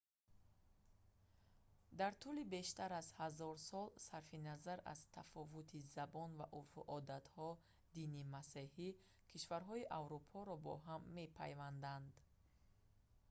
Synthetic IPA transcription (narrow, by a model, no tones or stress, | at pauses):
d̪aɾt̪ʰulibe̞ʃt̪aɾazhazɔɾsɔlsaɾfinazaɾa̰z̥t̪ʰafɔvut̪ʰizabɔnvaʔufuʔɔd̪at̪hɔ | d̪inimasehi | kʰiʃvaɾɦɔiʔavɾupʰɔɾɔbɔ̰ɦamːe̞pʰa̰jvand̪and̪